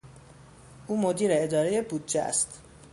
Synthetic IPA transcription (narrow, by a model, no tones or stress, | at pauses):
ʔuːmo̞d̪iːɾeːd̪ɒːɾe̞jebuːd̪̚d͡ʒeæ̰st̪